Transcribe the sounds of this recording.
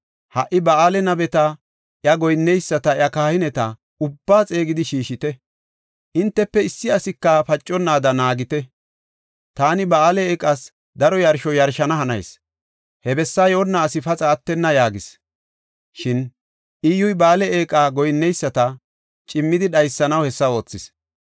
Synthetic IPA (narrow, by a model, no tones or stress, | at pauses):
hɐʔɪbɐaːlɛnɐbɛt̪ɐ | ʔjɐɡɔjnːɛjsːɐt̪ɐjɐkaːhɪnɛt̪ɐ | ʊbːaːt͡sʼe̞ːɡɪd̪ɪʃiːʃɪt̪ɛ | ʔɪnt̪ːɛpːɛɪsːɪɐsɪkːɐfɐt͡ʃʼːɔnːaːd̪ɐnaːɡɪt̪ɛ | t̪aːnɪbɐaːlɛeːkʼːas | d̪ɐɾɔjɐɾʃɔjɐɾʃɐnɐɦɐnɐ̰js | hɛbɛsːaːjoːnːaːsɪfɐt͡sʼaːt̪ːɛnːɐjaːɡɪs | ʃɪn | ʔijʊjbaːlɛeːkʼaːɡɔjnːɛjsːɐt̪ɐ | t͡ʃʼɪmːɪd̪ɪɗɐjsːɐnɐwhɛsːɐo̞ːt͡sːɪs